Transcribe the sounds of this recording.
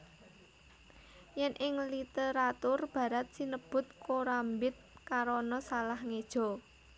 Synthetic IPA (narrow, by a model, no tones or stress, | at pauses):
jɛnʔɪŋlit̪eɾat̪ʊrb̥ä̤ɾat̪̚sinəb̥ʊ̤t̪̚koɾambɪt̪̚kaɾɔnɔsalahŋed̥ʒ̥ɔ̤